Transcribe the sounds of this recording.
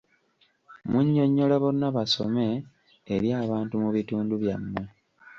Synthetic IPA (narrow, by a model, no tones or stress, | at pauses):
muɲːo̞ɲːo̞laβo̞nːaβaso̞̰me̞ː | ɾjaːβaːntumuβituːnduβjamːe